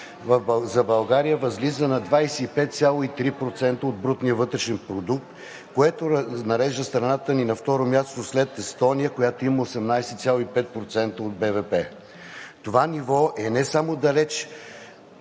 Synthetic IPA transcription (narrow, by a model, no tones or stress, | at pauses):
vɐzɐbɐlˠɡaɾijəvɐzlizənɐd̪vajsɛipɛt̪t̪sʲalˠoit̪ɾipɾot̪sɛnt̪əod̪bɾut̪niəvɤt̪ɾɛʃɛnpɾod̪ukt̪ | koɛt̪oɾnɐɾɛʒd̪əst̪ɾɐnat̪əninɐft̪ɔɾomʲjast̪oslɛt̪ɛst̪ɔnijəkojat̪oiməosɛmnajsɛt̪sʲalˠoipɛt̪̚pɾot̪sɛnt̪əod̪̚bɛvɛpɛ | t̪ovanʲivɔʔɛnɛsamod̪ɐlɛt͡ʃ